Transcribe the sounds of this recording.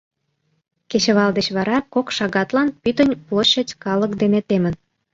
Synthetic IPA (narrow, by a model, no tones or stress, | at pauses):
ket͡ɕəβɑld̪et͡ɕβɑɾɑkokʃɑɣɑt̪lɑnpyt̪ənʲploɕət͡ɕʲkɑləkd̪enet̪emən